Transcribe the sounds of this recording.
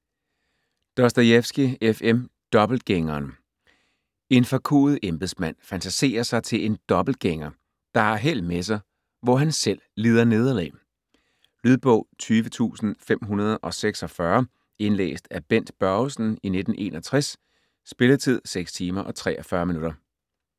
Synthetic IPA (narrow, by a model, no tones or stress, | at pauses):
d̥ɒsd̥ɐjefsɡ̥iefem | d̥ɒ̽b̥l̩d̥̚ɡ̥eŋɐːn | e̝nfækʰṵːð̩ˠemb̥eð̩ˠsmæn̰fænt͡sʰæse̝̰ːɐsɑ̈ɪt͡sʰe̝le̝nd̥ɒ̽b̥l̩d̥̚ɡ̥eŋɐ | d̥ɑ̈hæɦel̰d̥mes̬ɑ̈ɪ | ʋɒɦænsel̰liːð̞ˠɐne̝ð̞ˠɐlɛ̰ː | lyðˠb̥ɔ̽ʊ̰t͡sʰyːʋət͡sʰṵːsn̩fem̰ɦunɐð̞ˠʔɒ̽seɡ̥sɒ̽fɶɐ | e̝nlḛːsd̥æb̥en̰d̥b̥ɶʊsn̩ine̝d̥n̩ʔe̝̰ːnɒ̽t͡sʰʁɛs | sb̥e̝lɐt͡sʰið̞̰ˠseɡ̥st͡sʰiːmɐʔɒ̽t͡sʰʁɛ̰ːʔɒfɶːɐminuɾ̥ɐ